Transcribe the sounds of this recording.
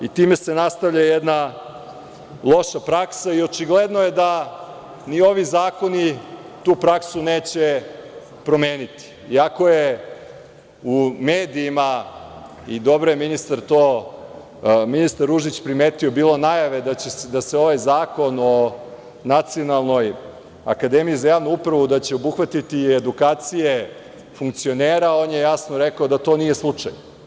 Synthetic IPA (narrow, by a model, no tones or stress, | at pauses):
it̪iːme̞se̞nast̪aʋʎajed̪na | lˠo̞ʃapɾaksaio̞t͡ʃiɡled̪noje̞d̪a | nio̞ʋizaːko̞ni | t̪uːpɾaksuneːt͡ɕe | pɾo̞me̞ːnit̪i̥ːako̞je | umeːd̪iːma | id̪o̞bɾo̞jeminist̪aɾt̪oː | minist̪aɾːuʒit͡ɕpɾimeːt̪iobiːlˠo̞najaʋe̞d̪at͡ɕed̪aseo̞ʋajzaːko̞no̞ | nat̪sio̞nalˠno̞j | akad̪emijizajaːʋnuupɾaʋud̪at͡ɕe̞o̞buxʋat̪it̪ied̪ukaːt̪sije | fuŋkt̪sio̞neːɾao̞ːnje̞jasno̞ɾekaod̪at̪o̞nije̞slˠut͡ʂa̰j